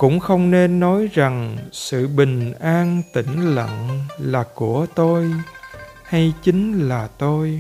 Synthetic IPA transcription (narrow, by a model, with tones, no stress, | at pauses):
kʊ̰˧˥ŋ͡mxə˧wŋ͡mne˧nːɔ˨˦jza˨˩ŋsɨ̰˧˨ɓï˨˩ŋ̟ʔaː˧nt̪ï˧˩ŋ̟lə̰˧˨ŋlaː˨˩ku˧˩ət̪o˧j | ha˧jt͡ɕï˨˦ŋlaː˨˩t̪o˧j